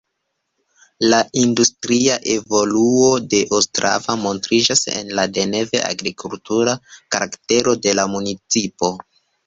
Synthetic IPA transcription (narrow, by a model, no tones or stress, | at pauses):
laʔindustɾiaʔe̞vo̞luo̞de̞ʔostɾa̰vamo̞ntɾid͡ʒase̞̰nlade̞ne̞ve̞̰ʔa̰ɡɾikʰultuɾakaɾakte̞ɾo̞de̞lamunit͡sipo̞